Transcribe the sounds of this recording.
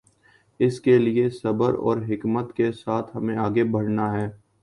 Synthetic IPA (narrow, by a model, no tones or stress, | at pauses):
ɪskeliesɐbəɾɔ̰ːɾɦɪkmət̪kesaːt̪ʰɦɐmẽaːɡebʱɐɽnaɦɛː